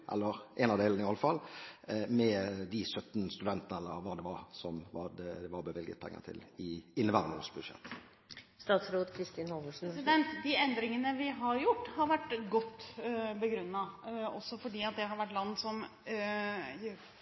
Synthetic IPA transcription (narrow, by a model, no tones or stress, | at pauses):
ʔɛ̰lːəɾʔɛnɑʋd̪eːlnɪɑləfɑl | mɛd̪ɪsœt̪ːn̩st̪ʉd̪ɛnt̪ənəɛlːə̰ɾʋɑd̪ɛʋɑɾsɔmʋɑd̪ɛd̪ɛʋɑɾbəʋɪlɡə̰t̪̚pʰɛ̰ŋːə̰t̪ʰɪ̰lɪɪnːəʋæɾəno̰ːsbʉd̪ʂɛ̰t̪ | st̪ɑːt̪sɾoːt̪kʰɾɪst̪inhɔməʂn̩d̪ɛnt̪d̪ɪɛnd̪ɾɪŋənəʋɪɦɑɾjʊʈːhɑɾʋæʈːɡɔt̪ːbəɡɾʉnːɑɔsːɔfɔɖiːɑt̪̚d̪ɛɦɑɾʋæʈːlɑnːsɔm